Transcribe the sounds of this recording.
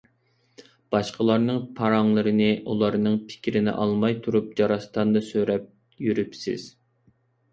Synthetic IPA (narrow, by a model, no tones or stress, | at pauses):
b̥ɑʃqəlˠɑɾnɨŋpʰɑɾɑŋlˠəɾɨnɨʔulˠɑɾnɨŋpʰɪ̥kʲʰɾɪnɪ̰ʔɑlˠmɑjt̪ʰuɾup̚d͡ʒɑɾɑst̪ɑnd̪ɨsøɾɛp̚ | jyɾypsɪ̰z̥